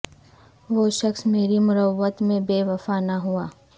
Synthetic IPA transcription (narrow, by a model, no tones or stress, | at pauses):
ʋoːʃɐxsmeːɾimʊɾəʋːət̪mẽbeːʋɐfaːnaɦuaː